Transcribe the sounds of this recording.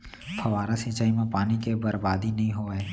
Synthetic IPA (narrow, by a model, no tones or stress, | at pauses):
pʰɐʋaːɾasĩːt͡ʃaːimẽpaːnikebɐɾbaːd̪inɐɦĩɦoːeː